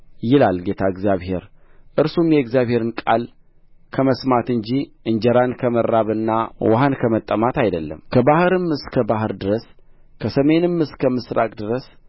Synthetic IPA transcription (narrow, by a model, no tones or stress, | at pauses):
jɪlalɡe̞t̪ʰaɨɡzjaβhe̞̰ɾʔɨɾsumjɛɡzjaβhe̞ɾɨnkʼa̰l | kʰəməsmat̪ɨɲd͡ʒiʔɨnd͡ʒəɾankʰəməɾːaβɨnːawa̰ɦankʰəmət̪ʼːəmat̪ajd̪əlːə̰mkʰəbahɨɾɨmɨskʰəbaɦɨɾd̪ɨɾəs | kʰəsəme̞nɨmːɨskʰəmɨsɾa̰kʼd̪ɨɾəs